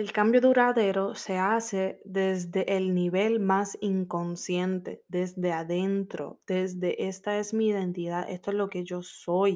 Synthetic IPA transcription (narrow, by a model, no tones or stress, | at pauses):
elkambjo̞ðuɾaðe̞ɾo̞se̞ase̞ðe̞zd̪e̞ʔelniβe̞lmasiŋko̞nsje̞nt̪e̞̰ðe̞zd̪e̞aðe̞nt̪ɾo̞̰d̪̥e̞zd̪e̞ʔe̞st̪ae̞smiːðe̞nt̪iðaðest̪oezlo̞ke̞ʝo̞so̞j